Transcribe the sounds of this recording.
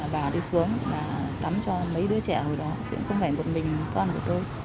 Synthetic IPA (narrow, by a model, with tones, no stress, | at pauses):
ɓaː˨˩ɗi˧su˨˦əŋɓaː˨˩t̪a˨˦mt͡ɕɔ˧mə˨˦jɗɨ˨˦ət͡ɕɛ˧˩ho˨˩jɗɔ˨˦t͡ɕɨ̰˧˥əŋxə˧wŋ͡mfaː˧˩jmo˨˩t̚mï˨˩ŋ̟kɔ˧nku˧˩ət̪o˧j